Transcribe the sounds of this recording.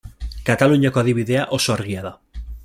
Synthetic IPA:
kat̪aluɲakoaðiβiðeaʔo̞soaɾɣiaða

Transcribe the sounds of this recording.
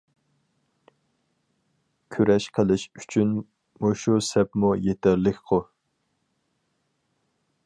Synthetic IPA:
kʲʰyɾɛʃqʰəlˠɪʃy̥t͡ʃʰyn | moʃusɛpmujet̪ʰɛɾlɪkʲqʰʊ

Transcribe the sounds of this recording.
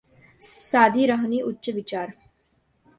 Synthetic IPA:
saːd̪ʱiːɾəɦniːutːɕəʋit͡ʃaːɾ

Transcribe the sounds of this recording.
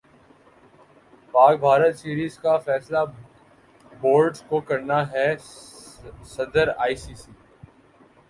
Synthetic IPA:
paːk̚bʱaːɾət̪siːɾiːzkafɛːsla | boːɾɖzkokɐɾnaɦɛ | sɐd̪əɾaːiːsiːsiː

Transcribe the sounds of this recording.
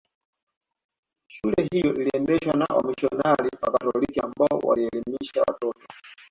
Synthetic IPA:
ʃulɛɦijɔʔiliɛndɛʃwanaʔɔmiʃɔnalipakatɔlikiambaɔwa̰liɛlimiʃawa̰tɔtɔ

